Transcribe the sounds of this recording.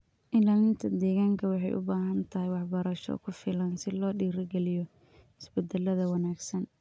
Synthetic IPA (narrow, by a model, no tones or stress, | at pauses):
ʔɪlaːlɪnt̪ʰɐd̪ɛːɣaːŋkʰɐwɑħɑjʔʊ̰baːɦɐnt̪ʰɐɦɪjwɑħbɐɾɐʃɔ̰kʰʊfɪlɐnsɪlɔːɖiːɾɐɡɛlɪjɔ | hɪsbɛd̪ɛlɐðɐwɑnaːɡsɐn